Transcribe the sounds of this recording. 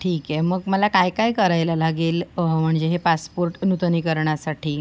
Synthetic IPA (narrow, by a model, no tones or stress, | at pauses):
ʈʰiːkɛməɡməlakajkajkəɾajlalaɡiːlm̤əɳd͡ʑeɦepaspoɾʈnut̪nikəɾɳjasaʈʰiː